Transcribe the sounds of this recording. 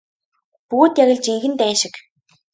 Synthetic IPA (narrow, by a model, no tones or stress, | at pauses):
puɣːt̪jaɣʲə̆ɮt͡ɕiŋxɘ̆nt̪æːʃɪ̆k